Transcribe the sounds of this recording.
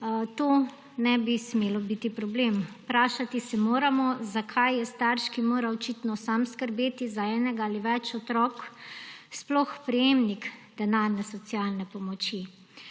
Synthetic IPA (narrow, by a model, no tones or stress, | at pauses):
t̪oː | nɛbismeːlɔbit̪ipɾɔblempɾaːʃat̪isɛmoːɾamɔzakʰajjɛst̪aɾʃkimoːɾaɔt͡ʃit̪nɔsamskəɾbeːt̪izaɛːnɛɡaaliʋɛt͡ʃɔt̪ɾɔk | splɔxpɾɛjemnikd̪̥ɛnaːɾnɛsɔt̪sialnɛpɔmɔt͡ʃi